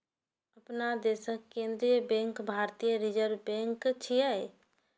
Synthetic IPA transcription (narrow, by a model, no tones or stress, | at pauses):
əpnad̪eːsəkːẽːnd̪ɾijəbẽŋkbʱaːɾt̪ijəɾid͡ʒəɾbẽŋkt͡ʃʰia